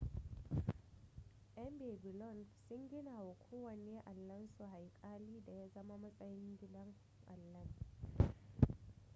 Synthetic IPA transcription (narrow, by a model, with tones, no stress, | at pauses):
ʔɛ˦mbeː˨bɪ˨lɔ˦˨nsʊ˦ŋɡʲɪ˦naː˨wa˨kʷʰoː˦wɐ˨neː˦ʔa˨lːɐ˦nsu˨ha˨jkʼaː˦liː˦da˨ja˦zɐ˦ma˦mɐ˦sʼɐ˦jɪ˦ŋɡʲɪ˦dɐ˦ŋ | ʔa̰˨lːɐ˦n